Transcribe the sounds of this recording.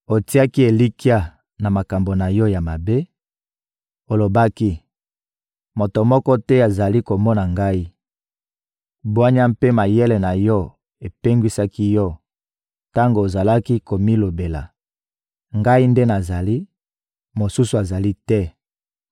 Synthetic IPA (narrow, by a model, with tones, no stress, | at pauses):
o˨ti˦a˦ki˦e˨li˦ki˦a˦ | na˨ma˨ka˨mbo˨na˨jɔ˦ja˨ma˨be˦ | o˨lo˨ba˦ki˦ | mo˨to˨mɔ˦kɔ˦tɛ˦a˨za˨li˦ko˨mɔ˦na˨ŋɡa˦i˦ | bwa˦ɲa˦mpe˦ma˨je˦lɛ˨na˨jɔ˦ | e˨pe˦ŋɡwi˦sa˦ki˦jɔ˦ | ta˦ŋɡoː˨za˨la˦ki˦ko˨mi˦lo˨be˨la̰˨ | ŋɡa˦i˦nde˦na˨za˨li˦ | mo˨su˦su˨a˨za˨li˦tɛ˦